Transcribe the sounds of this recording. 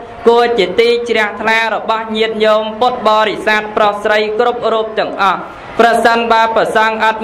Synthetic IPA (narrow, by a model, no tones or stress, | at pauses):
kuət͡ɕiət̪iːt͡ɕrɛ̆əht̪ʰlaːɾɔɓɑhɲiət̪̚ɲoːmpŏt̪̚ɓɑːɾisaːt̪̚prohsrəjkrup̚ruːp̚t̪ɛ̆əŋʔɑh | prɑsənɓaəprɑsɑŋʔɑt̪̚